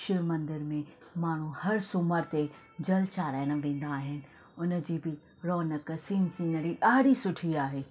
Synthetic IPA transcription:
ʃɪmɐ̃nd̪ɪɾmẽmaːɳ̤ũhɐɾsʊməɾt̪e | d͡ʑɐlt͡ɕaːɾaːɪɽ̃̆ʋẽːn̆d̪aːɦɪnɪ̆ | ʊnə̆d͡ʑiːbɪ | ɾɔːnəksĩːnsĩːnəɾiʔaːɽisʊʈʰiaːɦeː

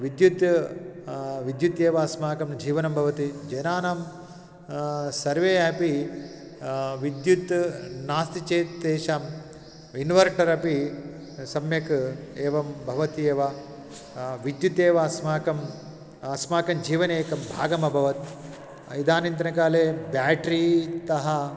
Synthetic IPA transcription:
ʋid̪jut̪ | ʋid̪jut̪eːʋasmaːkɐmnd͡ʒiːʋɐnɐmbʱɐʋɐt̪id͡ʒɐjnaːnaːm | sɐɾʋeːɐpi | ʋid̪jut̪naːst̪it͡ʃeːt̪ːeːʃaːm | inʋɐɾʈɐɾɐpi | sɐmjɐkeːʋɐmbʱɐʋɐt̪ieːʋa | ʋid̪jut̪eːʋasmaːkɐm | ɐsmaːkɐmd͡ʒiːʋɐneːkɐmbʱa̰ːɡɐmɐbʱɐʋɐt̪̚ | id̪aːnint̪ɐnɐkaːleːbaːʈɾiːt̪ɐɦɐ

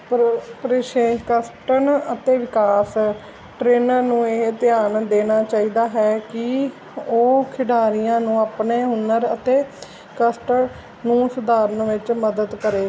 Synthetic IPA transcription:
ppɾɪʃeːkəsʈəɳət̪eːʋɪkaːs | ʈɾeːnəɾnũːeːt̪ɪjaːnd̪eːnaːt͡ʃaːiːd̪aːɦɛːkɪ | oːkʰɪɖaːɾijãːnũːaːpneːɦʊnəɾət̪eː | kəsʈəɳ | nũːsʊd̪aːɾənʋɪt͡ʃməd̪əd̪kəɾeː

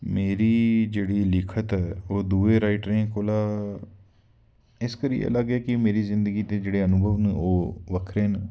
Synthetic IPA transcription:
meːɾiːd͡ʒeːɽiːlɪkʰət̪ɛːoːd̪uːeːɾaːɪʈɾẽːkoːlaː | ɪskəɾḭːḛːləɡɛːkɪmeːɾiːzɪ̃nd̪əɡiːt̪eːd͡ʒeːɽeːənʊbʱəʋnũoːʋəkʰɾeːn

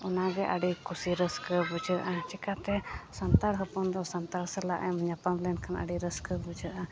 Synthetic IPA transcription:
ɔnaɡɛʔaɖikusiɾəskəbud͡ʒəʔat͡ʃɛkat̪ɛsant̪aɽɦəpɔnd̪ɔsant̪aɽsəla̰ʔɛmɲapamlɛnkʰana̰ɖiɾəskəbud͡ʒəʔa

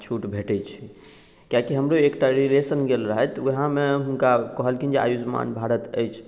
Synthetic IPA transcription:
t͡ʃʰuʈbʱeʈɛt͡ʃʰi̥ | kjakiɦəmɾoekʈaɾilesənɡelɾəɦət̪uɦãmeɦunkakəɦəlkind͡ʒea̰jud͡ʒma̰nbʱaɾət̪əjt͡ʃʰ

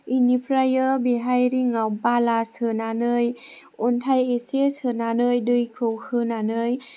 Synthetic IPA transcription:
inipʰɾajəbiɦajɾiŋawbalasɯnanɯj | untʰajesesɯnanɯjdɯjkʰɯwhɯnanɯj

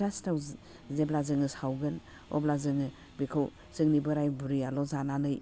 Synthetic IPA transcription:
ɾastaw | zeblazɯŋɯsawɡɯn | ɔ̰blazɯŋɯ | bikʰaw | sɯŋnibɯɾajbuɾialɔzananɯj

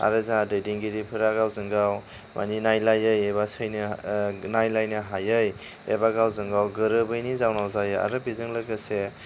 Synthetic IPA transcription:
a̰ɾɯzaadɯjdiŋɡiɾipʰɯɾaɡawzɯŋɡaw | mʔa̰ninajlajɯjebasɯjnɯnajlajnɯɦajɯj | ebaɡawzɯŋɡawɡɯɾɯbɯjnizawnawzajɯa̰ɾɯbizɯŋlaɡɯse

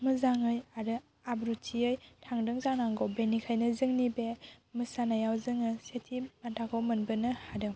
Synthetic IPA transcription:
mɯzaŋɯjaɾɯ | abɾutʰiɯjtʰaŋdɯŋzaŋnaŋɡowbenikʰajnɯzɯŋnibemɯsanajawzɯŋɯsetʰimantʰakʰɔwmɯnbɯnɯhadɯŋ

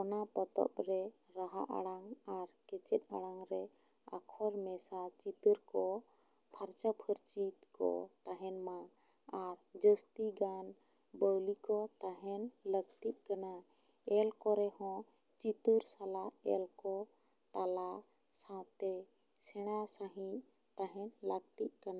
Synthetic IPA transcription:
ɔnapət̪ɔ̰pɾɛ | ɾaɦa̰ʔa̰ɽaŋaɾkɛt͡ʃɛt̪̚a̰ɽaŋɾɛ | a̰kʰɔɾmɛsat͡ʃit̪uɾkɔ | pʰaɾt͡ʃapʰəɾt͡ʃit̪kɔ̰t̪aɦɛnma | aɾd͡ʒəst̪iɡan | bəwlikɔt̪aɦɛnləɡt̪it̪̚ˀkana | ɛlkɔɾɛhɔ̃ | t͡ʃit̪uɾsalaɛ̰lkɔ | t̪ala | sãt̪ɛ | sɛɽ̃asaɦĩ | t̪aɦɛnləɡt̪it̪̚ˀkana

